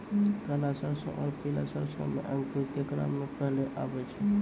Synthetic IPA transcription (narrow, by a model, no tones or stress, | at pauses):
kəlasəɾsə̰̃ʔɔːɾpila̰səɾsə̰̃mḛʔəŋkɾut̪jəkɾa̰mːepəɦleʔa̰bɛt͡ʃʰɛ